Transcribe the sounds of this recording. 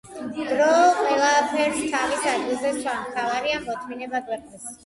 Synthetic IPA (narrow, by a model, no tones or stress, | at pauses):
d̪̥ɾɔqʼwɛlˠapʰɛɾst̪ʰavisʰad͡ʒilˠzɛsʰamt̪ʰavaɾiamɔt̪ʰminɛbaɡwɛqʼd̪ɛs